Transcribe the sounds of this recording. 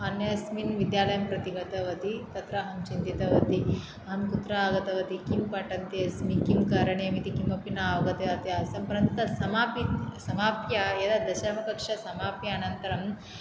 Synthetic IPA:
ɐnjɐɐsminʋid̪jaːlɐjɐmpɾɐt̪iɡɐt̪ɐʋɐt̪it̪ɐt̪ɾɐːɦɐnt͡ʃind̪it̪ɐʋɐt̪i | ɐɦɐnkut̪ɾaːɡɐt̪ɐʋɐt̪ikimpɐʈɐnt̪eɐsmikimkɐɾɐɳeɐmit̪ikimɐpinaːʋɐɡɐt̪eɐt̪eɐsɐmpɐɾɐnt̪t̪ɐsɐmaːpisɐmaːpjɐjed̪ɐd̪ɐʃaːmɐkɐkʂɐsɐmaːpjɐaːnɐnt̪ɐɾɐm

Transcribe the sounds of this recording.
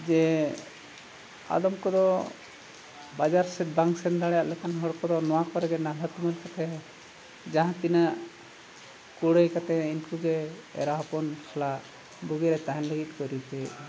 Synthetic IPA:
d͡ʒɛ | a̰d̪ɔmkɔd̪ɔ | bad͡ʒaɾsɛt̪̚baŋsɛnd̪aɽɛjaʔlɛkʰanɦɔɽkɔd̪ɔnɔwakɔɾɛɡɛnalət̪uməlkat̪ɛ | d͡ʒãɦãt̪inaʔ | kuɽəjkat̪ɛinkuɡɛ̰ːɾaɦɔpɔnkʰɔlaʔ | buɡiɾɛt̪aɦɛnləɡit̪̚ˀkɔɾut̪ʰɛ

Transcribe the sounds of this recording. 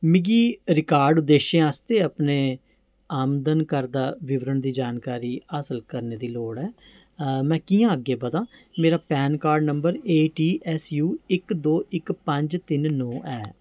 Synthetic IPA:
mɪɡiːɾɪkaːɾɖʊd̪ːeːʃẽːaːst̪eːəpneː | aːmd̪ənkəɾd̪aːʋɪʋɾəɳd̪iːd͡ʒaːnkaːɾiːaːsəlkəɾneːd̪iːloːɽɛː | mɛ̃ːkiːjãːəɡeːbəd̪ãːmeːɾaːpɛːnkaːɾɖnəmbəɾeːʈiːʔɛsjuːɪkd̪oːʔɪkpə̃ɲd͡ʒt̪ɪnnɔ̃ːʔɛː

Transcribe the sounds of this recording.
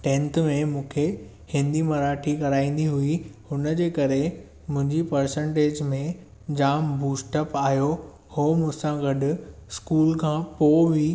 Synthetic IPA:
ʈẽːnt̪mẽmũːkʰe | hɪ̃nd̪imɐɾaːʈʰikɐɾaːĩːn̆d̪iɦuihʊnə̆d͡ʑeːkɐɾe | mʊ̃ɦɪ̃ɲd͡ʑipɐɾsə̃ɳʈeːd͡ʑmẽ | d͡ʑaːmbuːsʈəpaːjo | hoːmʊ̃ɦsãɡɐɖʊ̆skuːlkʰãːpoːʋi

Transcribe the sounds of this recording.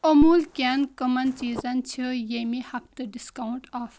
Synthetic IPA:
omuːlkʲankəmɐnt͡ʃiːzɐnt͡ʃʰijemihɐpt̪əɖiskauɳʈaːf

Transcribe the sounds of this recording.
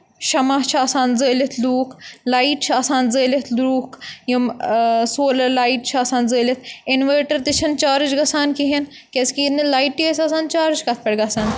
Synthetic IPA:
ʃɐmaɦt͡ʃʰaːsaːnzəːlit̪ʰluːklaːiʈt͡ʃʰaːsaːnzəːlit̪ʰlɾuːkʰjumsoːlɐlaːiʈt͡ʃʰaːsaːnzəːlʲit̪ʰɪnʋeːʈɐɾt̪it͡ʃʰɐnt͡ʃaːɾɨt͡ʃɡɐsaːnkiɦin | keskinlaːiʈːiesaːsaːnt͡ʃaːɾɨt͡ʃʰkɐt̪̚ʰpɐɽɡɐsaːn

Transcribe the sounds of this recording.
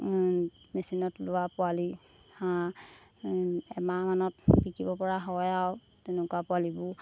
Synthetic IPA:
mesinɔtlʊwapʊali | hã | ɛmamanɔtbikibɔpɔɹaɦɔjawtenʊkapʊalibʊ

